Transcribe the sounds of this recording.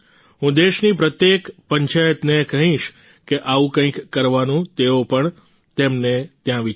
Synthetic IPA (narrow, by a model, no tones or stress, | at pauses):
ɦũd̪eʃnipɾət̪jekpəɲt͡ʃajət̪nekəɦĩʃ | keʔaʋũkə̃ĩkːəɾʋanũt̪eopəɳ | t̪emnet̪jãʋi